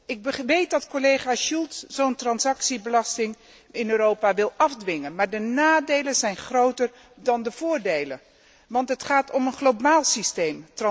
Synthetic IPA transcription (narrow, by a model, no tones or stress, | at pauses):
ɪɡ̚bəʋejt̚dɑtkolejχaːʃulˠtsz̥owntrɑnsɑksibəlɑstɪŋ | ɪnøːɾowpaʋɪlˠɑfdʋɪŋənmaːɹdənaːdejlənzɛjnχrowtəɹ | dɑndəv̥ʊːɹdejlə̰n | ʋɑntɦətχaːtʰɔmənχlowbaːlˠsistejmtrɑ